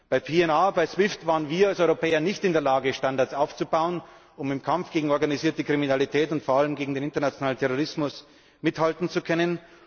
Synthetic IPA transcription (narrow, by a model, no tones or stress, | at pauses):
b̥aɪpʰeːɛnaːbaɪsw̥ɪftv̥aːʁənviːɐalsɔʏʁopɛːɐnɪçtɪndeːɐlaːɡəʃtandaɐsʔaʊft͡subaʊən | ʊmɪmkʰamfɡ̥eːɡŋ̩ɔɐɡaniziːɐtəkʁ̥iminalitʰɛːtʊntfoɐaləmɡeːɡŋ̩deːnɪntɐnat͡sjonaːlən̩tʰɛʁoʁɪsmʊs | mɪthaltn̩t͡sukʰœnən